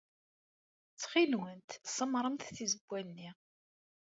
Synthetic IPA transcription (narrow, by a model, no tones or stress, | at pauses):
t͡sːχilwənt̪sˤəmɾˤəmt̪θizəbʷːælni